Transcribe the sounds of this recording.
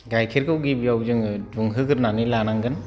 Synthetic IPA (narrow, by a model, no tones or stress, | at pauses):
ɡajkʰiɾɡɯɡibijawd͡ʒɯŋduŋɦɯɡɯɾnanɯlanaŋɡɯn